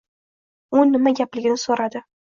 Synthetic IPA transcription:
ʊnːɪmaɡʲaplɪɡʲɪnɪsoɾad̪ɪ

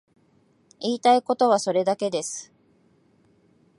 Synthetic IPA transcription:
iːt̪aiko̞t̪o̞βaso̞ɾe̞d̪ake̞d̪e̞sɨ̥

